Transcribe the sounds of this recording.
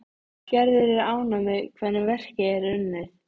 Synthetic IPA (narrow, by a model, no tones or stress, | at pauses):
cɛɾðɪɾɪɾaːwnamɛðkʰvɛðnːɪvɛr̥cɪɛɾʏnːɪ